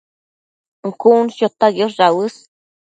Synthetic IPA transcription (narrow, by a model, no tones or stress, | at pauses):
ŋkunʃot̪aɡjosɾawɨs